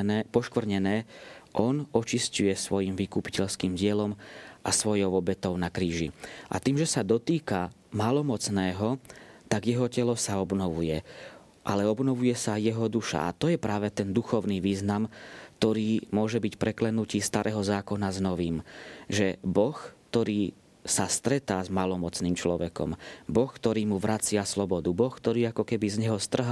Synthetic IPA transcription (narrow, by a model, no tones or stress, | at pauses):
pɔʃkʋr̩ɲɛnɛːʔɔnɔt͡ʃiscujɛsʋɔjimʋikupi̥cɛʎskiːmɟɪɛlɔmʔasʋɔjɔʊɔbɛt̪ɔʊnakɾiːʒiʔa̰t̪iːmʒɛsad̪ɔt̪iːka | maːlɔmɔt͡snɛːɦɔt̪aɡjɛɦɔcɛlɔsaɔbnɔʋujɛ | ʔalɛɔbnɔʋujɛsajɛɦɔd̪uʃa̰ʔa̰t̪ɔjɛpɾaːʋɛt̪ɛnd̪uxɔʊniʋiːznamkt̪ɔɾiːmʊɔʒɛbicpɾɛklɛnuciːst̪aɾʔɛɦɔzaːkɔnaznɔʋiːmʒɛbɔxt̪ɔɾiː | sast̪ɾɛt̪aːzmalɔmɔt͡sniːmt͡ʃlɔʋɛkɔ̰mbɔxkt̪ɔɾiːmuʋɾʔat͡sɪaslɔbɔd̪ubɔxkt̪ɔɾiːakɔkɛbizɲɛɦɔst̪r̩ɦ